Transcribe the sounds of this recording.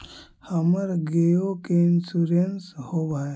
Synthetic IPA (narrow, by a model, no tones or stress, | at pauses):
həməɾɡejokensuɾenshoʋaj